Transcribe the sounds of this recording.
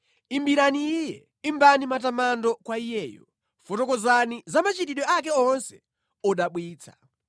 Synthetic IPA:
imbiɾaniijɛ | imbanimatamandɔkwaijɛːjɔ̰ | fɔtɔkɔzanizamat͡ʃitiɗɔak̬ɛɔnsɛ̥ | ɔɗaɓwiːt͡sʰḁ̰

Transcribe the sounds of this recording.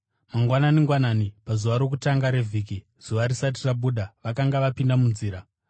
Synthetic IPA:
maŋɡwananiŋɡwananipazuʋaɾo̞kutaŋɡaɾe̞vʱiːki | z̥uʋaɾisat̬iraɓuɗaʋakaŋɡaʋapindamunziːɾa

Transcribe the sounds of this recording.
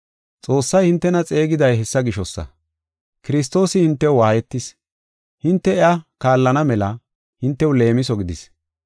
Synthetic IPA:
t͡sʼo̞ːsːɐjhɪnt̪ːɛnɐt͡sʼe̞ːɡɪd̪ɐjhɛsːɐɡɪʃɔsːɐ̰ | kɪɾɪs̬t̪ːo̞ːsɪhɪnt̪ːɛwwaːjɛt̪ːɪs | hɪnt̪ːɛɛakaːlːɐnɐmɛlɐ | hɪnt̪ːɛwle̞ːmɪsɔɡɪd̪ɪs

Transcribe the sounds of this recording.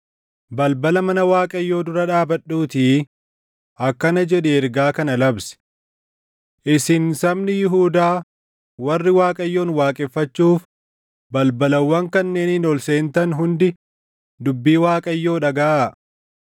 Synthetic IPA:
bɐlbɐlɐmɐnɐwaːkʼɐjːo̞ːd̪ʊɾɐᶑaːbɐɗːuːt̪iː | ʔɐkːɐnɐd͡ʒɛᶑɛɛɾɡaːkɐnɐlɐbsɛ̥ | ʔɪsɪnsɐmnɪjɪɦuːd̪aː | wɐrːɪwaːkʼɐjːoːnwaːkʼɛfːɐt͡ʃːuːf | bɐlbɐlɐwːɐŋkɐnːe̞ːnɪnɔlseːnt̪ɐnɦʊnd̪ɪ | d̪ʊbːiːwaːkʼɐjːo̞ːᶑɐɡɐʔa

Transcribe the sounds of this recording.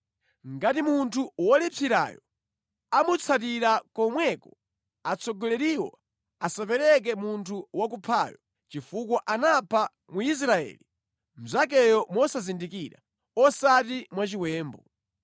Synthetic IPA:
ŋɡatimuntʰuwɔlipʰiɾa̰jɔ̰ | amut͡sʰat̬iɾakɔmwɛkɔ | at͡sɔɡɔlɛɾiwɔ̰ | asapɛɾɛk̬ɛmuntʰuwak̬upʰaːjɔ | t͡ʃifukwɔʔanapʰa | muis̬ɾaɛ̰ːli | m̩zak̬ɛjɔmɔsazindikiɾa | ɔsatimwat͡ʃiwɛːmbɔ̰

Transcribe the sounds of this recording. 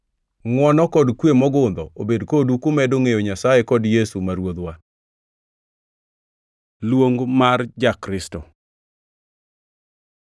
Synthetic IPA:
ŋwɔnɔkɔdkwemɔɡʊnd̪ɔobedkodukʊmɛdoŋejoɲasajekɔdjesumaɾwod̪wa | lwoŋɡmard͡ʒakɾɪsto̰

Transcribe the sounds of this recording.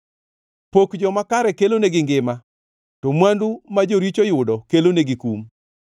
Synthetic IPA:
pokd͡ʒɔmakaɾɛkeloneɡɪŋɡɪma | tomwandumad͡ʒoɾit͡ʃojʊdɔkeloneɡikum

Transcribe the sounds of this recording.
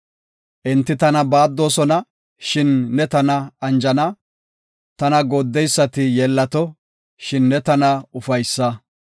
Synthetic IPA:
ʔɪnt̪ːɪt̪ɐnɐbaːd̪ːo̞ːsɔnɐ | ʃɪnːɛt̪ɐnɐɐnd͡ʒɐnɐ | t̪ɐnɐɡoːd̪ːɛjsːɐt̪ɪjɛlːɐt̪ɔ | ʃɪnːɛt̪ɐnɐʊfɐjsːɐ

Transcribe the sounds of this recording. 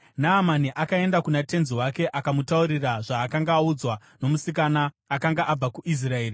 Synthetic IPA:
naːmaniʔakae̞ndakunate̞nziwake̞ʔakamutauɾiraʐaːkaŋɡaːud͡zwa | no̞musik̬anaː | kaŋɡaʔab͡vakuʔis̬rae̞ːri

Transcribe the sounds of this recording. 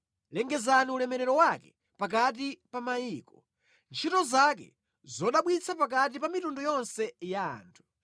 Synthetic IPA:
lɛŋɡɛzaniulɛmɛɾɛɾɔwakɛ | pak̬atipamajiːkɔ | nt͡ʃʰitɔzakɛ̰ | zɔɗaɓwit͡sʰapak̬at̬ipamitundɔjɔnsɛja̰ːntʰu̥

